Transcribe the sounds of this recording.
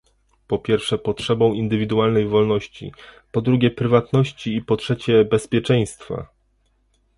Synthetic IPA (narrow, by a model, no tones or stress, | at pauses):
pɔpʲjɛɾfʂɛpɔtʂɛbɔ̃w̃ind̪ɘvʲid̪ualnɛjvɔlnɔɕt͡ɕḭ | pɔd̪ɾuɡʲjɛpɾɘvat̪nɔɕt͡ɕiːpɔtʂɛt͡ɕɛbɛspʲjɛt͡ʂɛ̃j̃st̪fa̰